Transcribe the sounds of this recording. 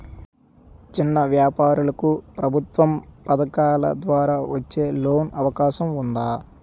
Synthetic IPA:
t͡ʃinːɐʋjaːpaːɾulɐkupɾɐbʱut̪ʋɐmpɐd̪ɐkaːlɐ̰d̪ʋaːɾaːʋɐt͡ʃːe̞ːlo̞ːnɐʋɐkaːʃɐmund̪aː

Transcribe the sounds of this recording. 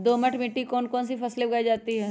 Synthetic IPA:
d̪oːməʈʰmɪʈːikɔːnkɔːnsipɐslebɪɡaːid͡ʒaːt̪iɦɛː

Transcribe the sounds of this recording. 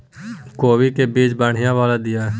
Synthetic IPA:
koːʋikeːbiːd͡ʒbaːɳ̤ɪjãːʋaːlaːd̪ɪjaː

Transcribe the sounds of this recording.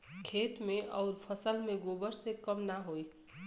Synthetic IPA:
kʰeːt̪mẽʔɔːɾpʰəsəlmẽɡoːbəɾsekəmnaɦoːi

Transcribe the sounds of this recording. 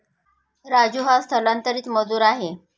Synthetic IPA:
ɾad͡ʑuɦast̪ʰəlant̪əɾiːt͡sməd͡zuːɾaɦe

